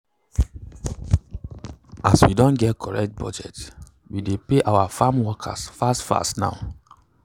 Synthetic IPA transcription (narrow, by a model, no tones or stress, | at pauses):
aswidɔ̃nɡɛtkʰɔɹɛk̚t̚bɔ̰d͡ʒɛ̰t | widepeʔawafamwɔkʰa̰sfastfa̰stna̰ʊ